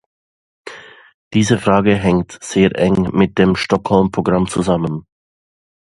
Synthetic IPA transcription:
d̥iːzəfʁ̥aːɡəɦɛŋtz̥eːɐʔɛŋmɪt̚d̥eːmʃtɔkhɔlmpʁ̥oɡʁamt͡suzamən

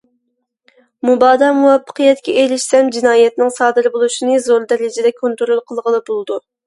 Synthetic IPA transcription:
mubɑːd̪ɑmuwɛpʰːə̥qʰəjɛt̪kʲʰɛʔelɪʃsɛmd͡ʒinɑːjɛt̪nɪŋsɑːd̪ɨɾbolˠuʃinɨzoɾd̪ɛlɪd͡ʒɪd̪ɛkʰont̪ɾulˠqʰəlˠʁəlˠɨbolˠd̪u

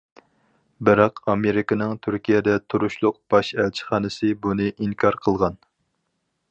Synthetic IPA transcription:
bɪɾɑqɑmeɾɪkɪnɨŋt̪ʰyɾkʲijɛd̪ɛt̪ʰuɾuʃlˠʊq̚b̥ɑʃælt͡ʃʰi̥χɑːnɨsɨbunɨʔiŋkʰɑɾqʰəlˠʁɑn

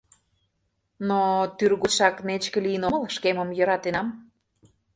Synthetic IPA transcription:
not̪yrɣuʃɑknet͡ɕkə̆lijənoməlʃkeməmjə̆ɾɑt̪enɑm

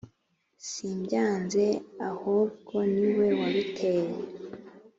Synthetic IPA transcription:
simɟaːnze̞ahobɡo̞niwe̞waɾitʰeːɾe

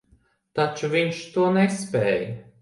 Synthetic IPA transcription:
t̪at͡ʃuviɲʃt̪uɔnɛspʲɛːj

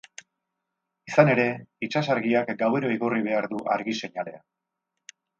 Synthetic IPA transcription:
isane̞ɾe̞it͡ʃasaɾɣiakɡawe̞ɾo̞iɣuriβ̞e̞aɾðuʔa̰ɾɣise̞ɲale̞a̰

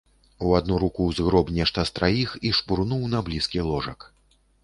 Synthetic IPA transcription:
uad̪nuɾukuwzɣɾɔbnʲɛʂt̪ɐst̪ɾajixiʂpurnuwnɐblʲiskʲilˠɔʐɐk

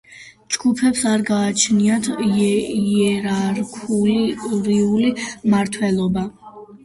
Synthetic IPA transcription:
d͡ʒɡupʰɛpsaɾɡaːt͡ʃʰniat̪ʰ | iɛɾaɾkʰuɾiulimaɾt̪ʰwɛlˠɔba

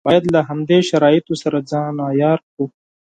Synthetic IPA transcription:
b̥ɑːjɐd̪laɦɐmd̪eʃɐɾɑːit̪osɐɾad͡zɑ̃ːnaːjɑːɾku

